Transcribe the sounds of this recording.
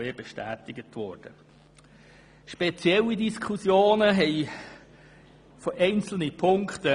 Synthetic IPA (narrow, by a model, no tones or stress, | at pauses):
ebeʃtæːtɪɡətʋɔːɾd̥ə | ʃpet͡sjɛlːidiskʰχusjoːnəɦɛɪ | fɔʔɛɪnt͡sl̩nipʰʊŋktə